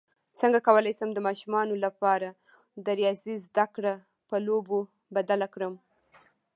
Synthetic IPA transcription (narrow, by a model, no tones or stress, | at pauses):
t͡səŋɡakawəlɑjsəmd̪əmɑʃumɑnolapɑɾa | d̪əɾijɑzizd̪akɽa | pəlobo | bad̪alakɽəm